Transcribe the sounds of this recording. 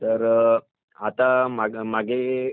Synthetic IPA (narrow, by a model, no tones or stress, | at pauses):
t̪əɾ | at̪amaɡmaɡʱe